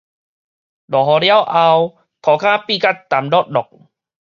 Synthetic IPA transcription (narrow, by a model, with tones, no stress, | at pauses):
dɔː˨˩ɦɔ˧ɾjwʔa˧w | t̪ʰɔː˨˦kʰaː˧˥˨piː˧˨ka˦˧˩t̪ːaː˨˩˦mdɔ˦˥˩t̪̚dɔ˨˩k̚